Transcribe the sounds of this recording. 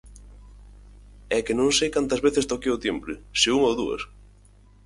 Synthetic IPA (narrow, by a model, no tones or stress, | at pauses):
ɛkɪnõŋsejkant̪ɐzβeθɪst̪okeot̪empɾɪseuŋowðuɐ̰s